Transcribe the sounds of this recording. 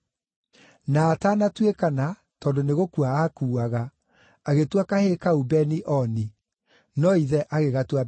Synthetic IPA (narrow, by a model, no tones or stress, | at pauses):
naːtanatwekana | tɔːndoneɣokuaakuːaɣa | aɣetwakaheːkaubɛniʔɔni | nɔiðɛʔaɣeɣatwa